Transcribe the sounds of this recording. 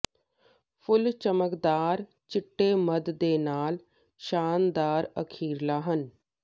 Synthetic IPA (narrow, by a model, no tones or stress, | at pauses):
pʰʊlt͡ʃəməkd̪aːɾ | t͡ʃɪʈːeːməd̪d̪eːnaːl | ʃaːnd̪aːɾəkʰiːɾlaːɦən